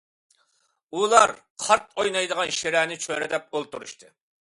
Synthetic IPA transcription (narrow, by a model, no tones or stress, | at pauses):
ulˠɑɾ | qʰɑɾt̪̚ojnɑjd̪əʁɑnʃeɾɛnɪt͡ʃʰøɾɛd̪ɛp̚olˠt̪uɾṵʃt̪ʰɨ